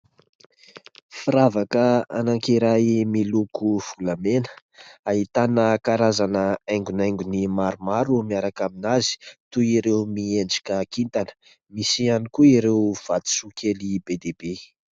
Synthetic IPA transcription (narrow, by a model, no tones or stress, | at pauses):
fiɾavakəa̰naŋkiɾajmilukuv̥ulamenə | aɦit̪anəkaɾazanəajŋɡunajŋɡunimaɾumaɾumiaɾakaminazi̥t̪uiɾewmiend͡ʒḁkʲakint̪anə̥ | misianikuiɾewv̥at̪i̥sukʰʲelibed̪ebe